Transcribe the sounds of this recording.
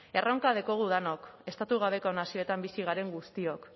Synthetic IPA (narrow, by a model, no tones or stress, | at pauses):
e̞rowŋkað̞eko̞ɣ̞uðanoke̞st̪at̪uɣ̞aβ̞e̞konasio̞et̪ambisiɣ̞aɾe̞ŋɡust̪io̞k